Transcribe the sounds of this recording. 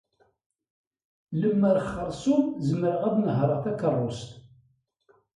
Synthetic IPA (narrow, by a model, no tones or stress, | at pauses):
ləmːəɾχːəɾˤsumzəməɾəʁæðnəɦɾˤəʁθækərˤːʊst̪